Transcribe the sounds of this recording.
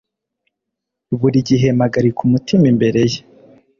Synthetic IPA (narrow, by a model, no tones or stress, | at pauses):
βuɾiɟiɦe̞maɡaɾikʰumutimimbe̞ɾe̞je